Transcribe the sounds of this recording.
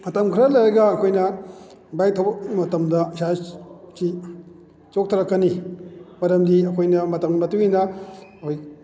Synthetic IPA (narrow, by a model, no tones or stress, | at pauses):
ɐtɐmkʰɾɐlɐjɾɐɡɐːkʰojnɐ | bajt̪ʰomɐtɐmdɐsat͡ʃi | t͡ʃok̚t̪ʰɐɾɐkːɐnimɐɾɐmd̪iɐkʰojnɐmɐtɐmmɐtuinɐoj